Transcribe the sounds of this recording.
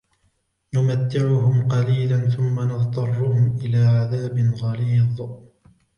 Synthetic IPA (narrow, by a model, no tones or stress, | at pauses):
nʊmat̪ːɪʕʊɦʊmqɑliːlanθʊmːanɑðt̪ˤɑrˤːʊhʊmʔɪlaːʕaðaːbɪnɣɑliːðˤ